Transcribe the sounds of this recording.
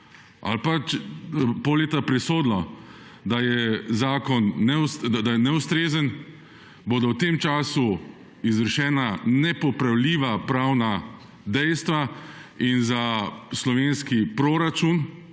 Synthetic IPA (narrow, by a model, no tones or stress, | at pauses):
a̰lpat͡ʃpoleːt̪apɾɛsoːd̪lɔd̪ajɛzaːkɔnːɛusd̪ad̪ajɛnɛust̪ɾeːzən | boːd̪ɔwt̪eːmt͡ʃaːsu | izʋəɾʃɛːnanɛpɔpɾawliːʋapɾawna | d̪ɛjst̪ʋainzaslɔʋeːnskipɾoːɾat͡ʃun